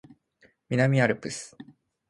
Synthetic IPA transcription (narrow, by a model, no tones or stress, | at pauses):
mʲinamʲiaɾɯ̟pɯ̟sɨ̥